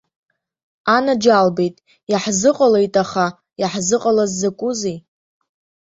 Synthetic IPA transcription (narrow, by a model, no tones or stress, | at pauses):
anad͡ʒalbejtʼ | jaħzɨqʼalejtʼaχa | jaħzɨqʼalazːakʷʼuzij